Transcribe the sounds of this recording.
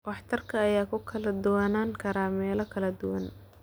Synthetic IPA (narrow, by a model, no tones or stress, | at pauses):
wɑħt̪ʰɐrkʰɐːjaːkʰʊkʰɐlɐd̪ʊwaːnaːŋkʰɐɾaːmɛːlɐkʰɐlɐd̪ʊwɐn